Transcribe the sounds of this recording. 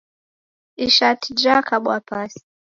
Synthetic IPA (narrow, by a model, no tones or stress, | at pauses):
iʃatʰid͡ʒakaɓwapasi̥